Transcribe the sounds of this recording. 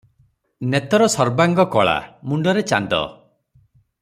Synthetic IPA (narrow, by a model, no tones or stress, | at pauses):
net̪ɔɾɔsɔɾbaŋɡɔkɔɭa̰muɳɖɔɾet͡ʃa̰nd̪ɔ̰